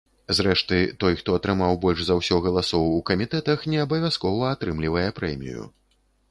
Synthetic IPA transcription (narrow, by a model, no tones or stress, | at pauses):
zɾɛʂt̪ɨt̪ɔjxt̪ɔɐt̪ɾɨmawbɔlʲʐzawsʲɔɣɐlˠasɔwukɐmʲit̪ɛt̪ɐxnʲɛɐbɐvʲaskɔvɐːt̪ɾɨmlʲivɐjɛpɾɛmʲḭjṵ